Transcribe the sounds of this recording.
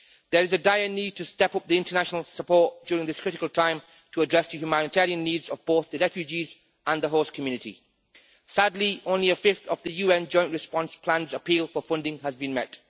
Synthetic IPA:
ðə˞ɨzədaɪɨnitʰɨstɛpʊp̚ðiɪ̃ntənaʃnəlˠsəpʰɔɹt̚d̥jʊːɹɪ̃ŋðɪskʰɹ̥ɪɾɪkəlˠtʰãɪ̃m | tʰəːdɹɛsðəhjʉmanɨtʰɛɹiə̃nːiːdzəvboʊθðəɹɛfjʉd͡ʒiz | ə̃nðəɦoskʰəmjʉːnɨtḭ | sadˡliʔõʊ̃nliəfɪfθəvðɨjʉɛ̃nd͡ʒɔ̃ɪ̃nʔɹɨspɑ̃nspʰl̥ãnzəpiːlˠfə˞fʌ̃ndɪ̃ŋəzbɨ̃nmɛt

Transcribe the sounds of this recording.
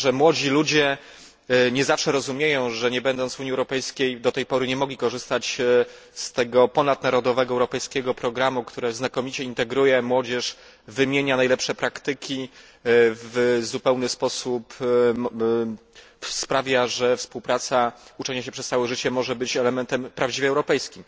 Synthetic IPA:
ʐɛmwɔd͡ʑilud͡ʑɛ | ɲɛzafʂɛɾɔzumʲjejɔ̃w̃ʐɛɲɛbɛnd̪ɔnt̪zvuɲiɛwɾɔpɛjskʲejd̪ɔt̪ɛjpɔɾɘɲɛmɔɡlʲikɔʐɘst̪at͡ɕ | st̪ɛɡɔpɔnad̪naɾɔd̪ɔvɛɡɔɛwɾɔpɛjskʲɛɡɔpɾɔɡɾamukt̪uɾɛznakɔmʲit͡ɕɛint̪ɛɡɾujɛmwɔd͡ʑɛʂ | vɘmʲjeɲanajlɛpʂɛpɾakt̪ɘkʲi | vzupɛwnɘspɔsupm | spɾavʲjaʐɛfspuwpɾat̪saut͡ʂɛɲaɕɛpʂɛssawɛʐɘt͡ɕɛmɔʐɛbɘt͡ɕɛlɛmɛnt̪ɛmpɾavd͡ʑivʲɛwɾɔpɛjskʲim

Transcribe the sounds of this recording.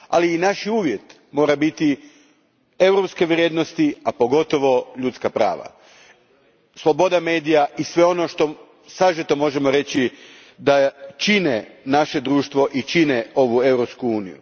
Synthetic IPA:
a̰liːnaʃiuːʋje̞t̪ | mo̞ːɾabit̪i | e̞wɾo̞pske̞ʋɾʲje̞d̪nost̪iapo̞ɡo̞t̪o̞ʋo̞ʎut̪skapɾa̰ːʋa̰ | slˠo̞bo̞d̪ame̞ːd̪ijaʔisʋe̞o̞noʃt̪o̞ | saʒet̪omo̞ʒe̞mo̞ɾe̞t͡ɕi | d̪at͡ʃinenaʃe̞d̪ɾuːʃt̪ʋo̞ʔit͡ʃineo̞ʋue̞wɾo̞pskuuːnḭjṵ

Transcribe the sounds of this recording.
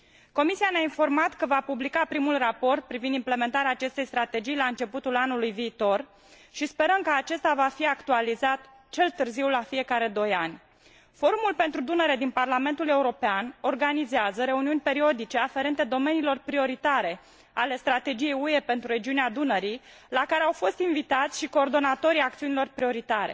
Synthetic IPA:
ko̞misianeainfo̞rmat̪kəvapublikapɾimulrapo̞rt̪̚pɾivind̪imple̞me̞nt̪aɾeaːt͡ʃe̞st̪e̞jst̪ɾat̪e̞d͡ʒijlaɨnt͡ʃe̞put̪ulanulujviːt̪o̞r | ʃispe̞ɾəmkəat͡ʃe̞st̪avafiakt̪ualizat̪ | t͡ʃe̞lt̪ɨrziwlafije̞kaɾe̞d̪o̞janʲ | fo̞ɾumulpe̞nt̪ɾud̪unəɾe̞d̪inparlame̞nt̪ule̞uɾo̞peano̞rɡanizeazəɾe̞uniunʲpe̞ɾio̞d̪it͡ʃe̞afe̞ɾe̞nt̪e̞d̪o̞me̞nilo̞rpɾio̞ɾit̪aɾe̞ | ale̞st̪ɾat̪e̞d͡ʒije̞jue̞pe̞nt̪ɾuɾe̞d͡ʒiunead̪unəɾi | lakaɾe̞awfo̞st̪invit̪at̪sʲʃiko̞ːrd̪o̞nat̪o̞ɾijak̚t̪siunilo̞rpɾio̞ɾit̪aɾe̞

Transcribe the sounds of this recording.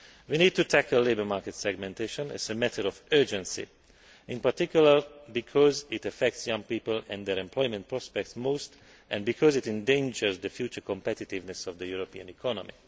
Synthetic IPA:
ʋiniːd̚tutʰækəllebəmaɹkɛtsɛɡmɛ̃nt̪eʃɔ̃nɛ̰zəmɛt̪ʰəɾɔvɜ˞d͡ʒɛ̃nsḭ | ɪ̃npaɹtikjuləɹbikʰɔzɪtəfɛk̚tsjʌ̃ŋpiːpəlɛ̃nd̪ɛɾɛ̃mplɔjmɛ̃nt̚pɹɔspɛk̚tsmost̪ | ʔɛ̃nbikʰɔzitɛ̃ndẽnd͡ʒəɹzd̪əfjuːt͡ʃəkɔ̃mpɛtɪt̪ɪvnɛsɔvd̪əjuɹopiə̃nikʰɔnɔmi

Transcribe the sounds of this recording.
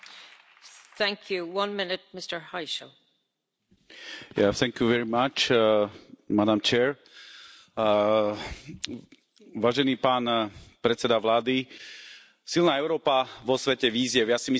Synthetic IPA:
θæ̃ŋkʰjuwʌ̃nmɪnɪt̚mɪstə˞haɪʃəl | jaθɛŋkjuʋɛɹimat͡ʃ | mad̪amt͡ʃɛːɹ | ʋaːʒɛniːpaːnpɾɛt̪t͡sɛd̪aʋlaːd̪i | silnaːɛʊɾɔːpaʋɔsʋɛcɛʋiːzɪɛʊjasimi

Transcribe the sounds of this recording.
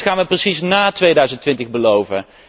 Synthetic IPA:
χaːnʋəprəsisnaːtʋejdœɥzəntʋɪntəɣbəlowvə

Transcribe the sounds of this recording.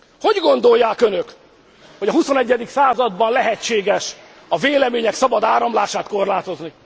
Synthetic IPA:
ho̞ɟɡo̞nd̪o̞jːaːkø̞nøk | ho̞ɟɒɦuso̞nɛɟːɛd̪iksaːzɒd̪bɒnlɛɦɛt͡ʃːeːɡɛʃ | ɒveːlɛmeːɲɛksɒbɒd̪aːɾɒmlaːʃaːt̪ko̞rlaːt̪o̞zni

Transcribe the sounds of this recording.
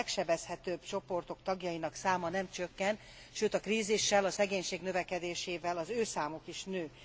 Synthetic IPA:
kʃɛbɛshɛt̪øːbt͡ʃo̞po̞rt̪o̞kt̪ɒɡjɒjinɒksaːmɒnɛmt͡ʃøkːɛn | ʃøːt̪ɒkriːziʃːɛlɒsɛɡeːɲʃeːɡnø̞vɛkɛd̪eːʃeːvɛlɒzøːsaːmokiʃnøː

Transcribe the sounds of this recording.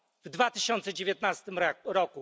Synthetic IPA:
vd̪vat̪ɘɕɔnt̪sɛd͡ʑevʲjet̪nast̪ɘmɾɔku

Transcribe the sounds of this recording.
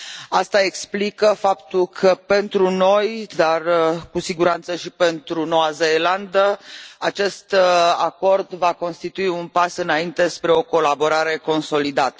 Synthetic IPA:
ast̪ae̞ksplikəfapt̪ulkʰəpe̞nt̪ɾuno̞jd̪arkusiɡuɾant̪səʃipe̞nt̪ɾuno̞azeːland̪əat͡ʃe̞st̪ako̞rd̪vako̞nst̪it̪uiunpasɨnaint̪e̞spɾe̞o̞ko̞labo̞ɾaɾe̞ko̞nso̞lid̪at̪ə

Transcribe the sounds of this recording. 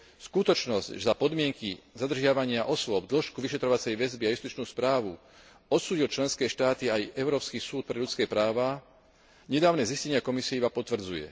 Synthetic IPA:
skut̪ɔt͡ʃnɔzczapɔd̪mɪɛŋkizad̪r̩ʒɪaʋaɲɪaʔɔsʊɔb̚d̪l̩ʃkuʋiʃɛt̪ɾɔʋat͡sɛjʋɛzbiajust̪it͡ʃnuːspɾaːʋu | ɔt̪suːɟilt͡ʃlɛnskɛːʃt̪aːt̪iajɛʊɾɔːpskisuːt̪̚pɾɛʎut͡skɛːpɾaːʋa | ɲɛd̪aːʊnɛziscɛɲɪakɔmisiɛibapɔt̪ʋr̩d͡zujɛ̰

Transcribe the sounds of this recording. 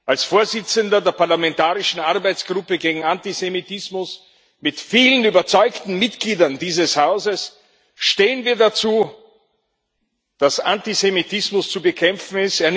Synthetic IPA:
ʔalsfoːɐzɪt͡səndɐdeːɐpaɐlamɛ̃ntaːʁɪʃn̩ʔaʁbaɪt͡sɡ̥ʁʊpəɡeːɡŋ̩antizemitɪsmʊs | mɪtfiːlənyːbɐt͡sɔʏktn̩mɪtɡ̥liːdɐndiːzəshaʊzəs | ʃteːənviːɐdat͡suː | d̥asantizemitʰɪsmʊst͡subəkʰɛmfn̩ɪsteːɐn

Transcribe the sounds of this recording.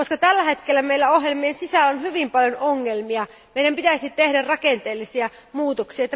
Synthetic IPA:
koskɑt̪ælːæhet̪kelːæmeilːæoɦjelmiensisælːonhyʋimpɑljonoŋːelmiɑ | meiɾæmpit̪æsʲit̪ehdærrɑkent̪eːlːisiæ | muːt̪oksiɑet̪ːæ

